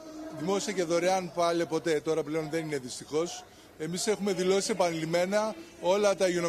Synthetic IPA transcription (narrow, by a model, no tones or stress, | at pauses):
ðimo̞siɐceðoɾeɐnpɐle̞po̞t̪e̞t̪o̞ɾɐple̞o̞nðe̞nine̞ðist̪ixo̞s | e̞mise̞xume̞ðilo̞sisepɐnilime̞nɐo̞lɐt̪ɐiʝono